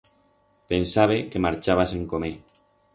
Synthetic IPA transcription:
pensaβekemaɾt͡ʃaβ̞aseŋkome

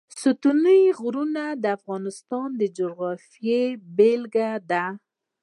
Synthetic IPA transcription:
sut̪unəjɣɾunad̪əafɣɑnɪst̪ɑnd̪əd͡ʒoɣɑfijebelɡad̪a

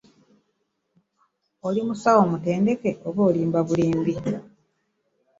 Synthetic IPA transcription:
olimusawomute̞ːnde̞keʔoβoːliːmbaβuliːmbi

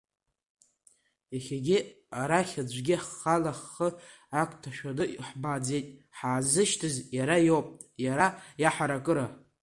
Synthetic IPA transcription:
aχʲaɡʲɪ | aɾaχʲad͡ʒʷɡʲɪħːalaχːə | akʷʰʼtʰaʃᶣadɨʔħbad͡zejtʼħaːzɨʃtʰɨzjaɾajowpʼtʼjaɾajaħaɾakʼɨɾa

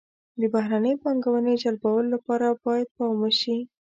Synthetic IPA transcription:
d̪əbaɦɾanəjopɑŋɡawəned͡ʒalbawəlolapɑɾabɑjad̪̚pɑwməʃi

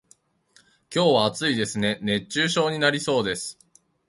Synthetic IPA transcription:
kʲo̞ːβaːt͡sɨid̪e̞sɨne̞ne̞t͡ɕːɕɨːɕo̞ːɲ̟inaɾʲiso̞ːd̪e̞sɨ̥

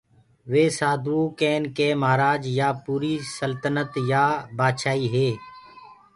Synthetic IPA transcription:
ʋeːsaːd̪uːkeːnkeːmaːɾaːd͡ʒjaːpuːɾiːsəlt̪ənət̪jaːbaːʃaːiːɦeː

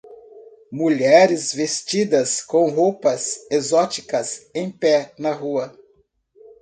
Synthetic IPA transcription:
muʎɛɾɪzvest͡ʃid̪ɐskõw̃ɦowpɐzezɔt͡ʃikɐsẽj̃pɛnɐɦuɐ

